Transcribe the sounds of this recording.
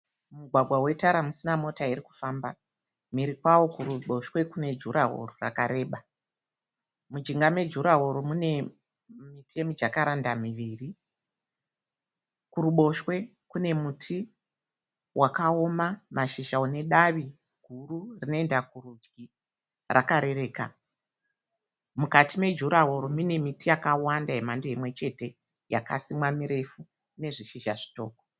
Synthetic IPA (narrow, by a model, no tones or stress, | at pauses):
muɡʱwaɡʱwawe̞taɾamusinamo̞taiɾiku̥faːmba | miɾikwawo̞kuɾuɓo̞ʃwe̞kune̞d͡ʒuɾaɦo̰rora̰kaɾe̞ːɓa | mud͡ʒiŋɡame̞d͡ʒuɾaɦoɾomune̞ | mitʰe̞mid͡ʒakaɾandamiʋiːri | kuɾuɓo̞ʃwe̞ | kune̞mutʰi | wʔakao̞mamaʃiʒaune̞ɗaʋi | ɡ̥ʱururino̞endakurud͡ʒɡi | rʔa̰kaɾe̞ɾe̞ːka̰ | mukatime̞d͡ʒuɾaɦoɾomine̞mitijakawandaɦemandoemwe̞t͡ʃe̞te̞ | ja̰ka̰simwamiɾe̞fu | ne̞ʐiʃiʒaʐi̥to̞̰ːko